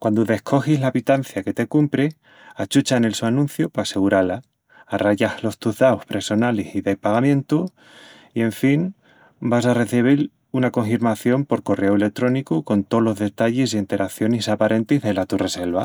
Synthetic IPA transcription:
kwand̪oðe̞hkʰo̞xizlapit̪anθjake̞t̪e̞kumpɾe | at͡ʃut͡ʃaene̞lsuanũnθjopase̞ɣuɾalaː | raʝahlo̞st̪uzðaohpɾe̞so̞nalesiðe̞paɣamjẽ̞nt̪u | ie̞ɱfin | bas̬are̞θiβ̞il | unako̞ɱfiɾmaθjo̞mpo̞ɾko̞re̞oele̞k̚t̪ɾo̞nikuko̞nt̪o̞lo̞zðe̞t̪aʝesient̪e̞ɾakθjo̞nesapaɾʔe̞nt̪izðe̞lat̪ure̞se̞lβa

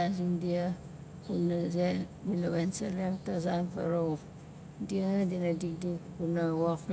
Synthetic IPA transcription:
asiŋdia | kunazedinaβensaleŋtazanpa̰ɾok | diadinadik̚dikkunawok

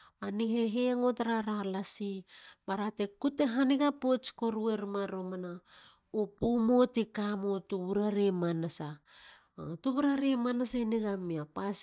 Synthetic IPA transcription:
aniheɦeŋo̞taɾaɾalasibaɾate̞kuteɦaniɡapot͡ʃko̞ɾue̞ɾmaɾo̞mana | opumo̞tikamotuβuɾaɾemanasa̰ | tuβuɾaɾimanasainiɡamiapas

